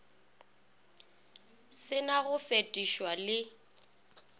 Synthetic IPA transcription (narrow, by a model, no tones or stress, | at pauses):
sɪnaɣʊfetʼiʃwalɪ